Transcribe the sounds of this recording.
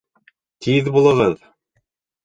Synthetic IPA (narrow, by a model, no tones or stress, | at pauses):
t̪ʰiðbulˠɤ̆ʁɤð